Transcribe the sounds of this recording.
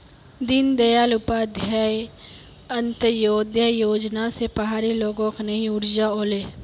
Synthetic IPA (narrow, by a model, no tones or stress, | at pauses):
d̪ɪnd̪ɐjaːlʊpaːd̪ʱjaːj | ɐnt̪əjoːd̪ʱjəjoːd͡ʒnasepəɦaːɾiloːɡõknɐɦĩʊɽd͡ʒaoːleː